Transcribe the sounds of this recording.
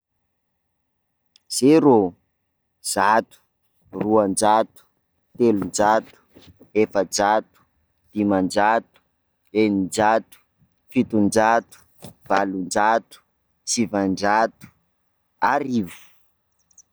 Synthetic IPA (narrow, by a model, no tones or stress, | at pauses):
z̥eɾo | z̥at̪u̥ | ruand͡ʒat̪u̥ | t̪elund͡ʒat̪u̥ | efəd͡ʒat̪u̥ | d̪̥imand͡ʒat̪u̥ | enind͡ʒat̪u̥ | fit̪und͡ʒat̪u̥ | v̥alund͡ʒat̪u̥ | t͡sivand͡ʒat̪u̥ | aɾivu̥